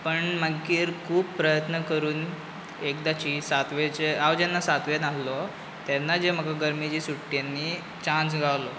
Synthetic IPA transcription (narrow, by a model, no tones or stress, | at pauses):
pəɳməɡːiːɾkʰuːbpːɾəjət̪nəkəɾuːn | ek̚d̪at͡ɕiːsat̪ʋet͡ɕeaʋd͡ʑanːasat̪ʋenallɔ | t̪janːad͡ʑem̤əɡaɡəɾmid͡ʑiːsuʈːijanːiː | t͡ɕãnt͡sɡʱawlɔ